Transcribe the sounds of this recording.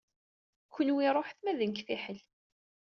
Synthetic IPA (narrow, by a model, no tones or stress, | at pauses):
kʷːənwiɾˤoħθmæðənkfiħəl